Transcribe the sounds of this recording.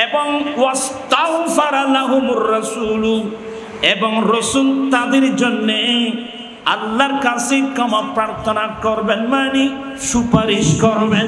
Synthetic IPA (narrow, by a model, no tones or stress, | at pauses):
ebɔŋwɔst̪aɦfaɾalaɦumʊrːɐsuːlu | ebɔŋɾosult̪ad̪iɾd͡ʒɔnːe | ɐ̰lːaɾkasikɔmapɾaɾt̪ʰɔnakɔɾbenmani | ʃupaɾiʃkɔɾben